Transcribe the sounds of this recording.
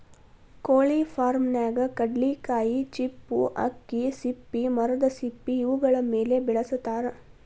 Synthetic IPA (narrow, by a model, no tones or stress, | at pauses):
koːɭifʰaːɾmnaːɡɐkɐɖlikaːjit͡ʃipːuʔɐ̰kːisipːimɐɾɐd̪ɐsipːiːʋuɡɐɭɐmeːlebɛɭɐsut̪ːaːɾe